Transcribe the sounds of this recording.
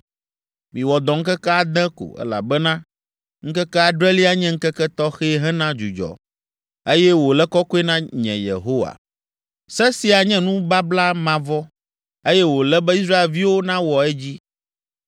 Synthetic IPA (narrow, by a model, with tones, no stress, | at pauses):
mĩ˨wɔ˨d̪ɔ̃˨ŋ̩˦kɛ˦kɛ˦a˦d̪ɛ̃˦ko̰˨ɛ̰˦la̰˨bɛ˦nã˦ | ŋ̩˦kɛ˦kɛ˦a˦˨ɖɾɛ˦li˦a˦ɲɛ̃˦ŋ̩˦kɛ˦kɛ˦t̪ɔ˦xɛ˦ɦɛ˦nã˦d͡ʒu˨d͡ʒɔ̰˨ | e˦jɛ˦wo˨lɛ˦kɔ˦ko˦ɛ˦nã˦ɲɛ̰̃˨jḛ˨ɦo˦wa̰˨ | sɛ˦si˨a˨ɲɛ̃˦nũ˦ba˦bla˦mã˨vɔ˦ | e˦jɛ˦wo˨lɛ˦bɛ˦i˦sɾa˦e˨lvi˦wo˦nã˦wɔ˨ɛ˦d͡ʑi˦